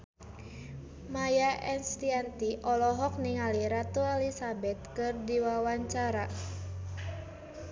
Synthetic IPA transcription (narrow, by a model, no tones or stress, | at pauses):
majaʔɛnst̪iant̪iʔɔlɔɦɔk̚niŋaliɾat̪uɛlisabɛt̪̚kɨrdiwawaɲt͡ʃaɾa